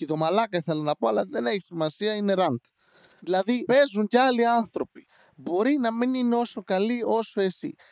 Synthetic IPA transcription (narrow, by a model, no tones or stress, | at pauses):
iðomalakaθelnapoalaðeneçi̥simasiaineɾant̪ | ðilaðipezunɟalianθɾopi̥ | boɾinaminineosokaliosoesḭ